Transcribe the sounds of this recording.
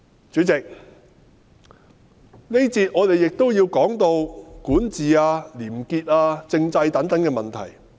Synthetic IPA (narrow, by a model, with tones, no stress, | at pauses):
t͡sy˨˥t͡sɪ˨k̚ | ne˥jt͡siː˧t̚ʔŋɔː˨˧t̪e˨jːɪ˨k̚t̪o˥wjiː˧wkɔː˨˥ŋt̪o˧wkuː˨˥nt͡siː˨aː˧liː˨˩mkiː˧t̚aː˧t͡sɪ˧ŋt͡sɐ˧jt̪ɐ˨˥ŋt̪ɐ˨˥ŋkɛː˧mɐ˨nt̪ʰɐ̰˨˩j